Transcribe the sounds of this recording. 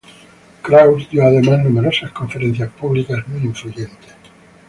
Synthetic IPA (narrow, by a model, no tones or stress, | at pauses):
kɾawsd̪joaðemaznumeɾosasko̞ɱfeɾen̟θjaspuβlikazmujiɱfluʝẽnt̪es